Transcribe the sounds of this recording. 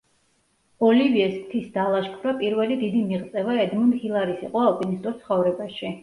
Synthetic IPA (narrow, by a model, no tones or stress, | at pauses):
ɔliviɛsmt̪ʰisd̪alˠaʃkʰvɾapʼiɾvɛlid̪id̪imiʁt̪sʼɛvaɛd̪mɔnhilˠaɾisḭqʼɔapʼinist̪ʼut̪sʰχɔvɾɛbaʃi